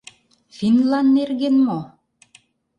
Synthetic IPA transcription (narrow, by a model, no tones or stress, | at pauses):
finlɑnːerɣenmo